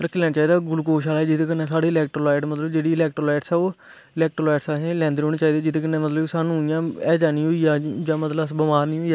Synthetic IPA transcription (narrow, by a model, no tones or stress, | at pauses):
əɾəkʰːilɛːnat͡ʃaːiːd̪aːɡʊlkoːʃaːlɛːd͡ʒɪt̪ẽːkɪnːeːsaːɽeːɪlɛːk̚ʈɾoːlaːɪʈmət̪ləbd͡ʒeːɽiːɪlɛːk̚ʈɾoːlaːʈsɛːoː | ɪlɛːk̚ʈɾolaːɪʈsaːẽlɛ̃ːnd̪eːɦoːneːt͡ʃaːid̪aːd͡ʒɪt̪eːkənːeːmət̪ləbsaːnũːɪjãːɛːd͡ʒaːnĩːɦoːijãːd͡ʒãːmət̪ləəsbəmaːɾniːɦoːiː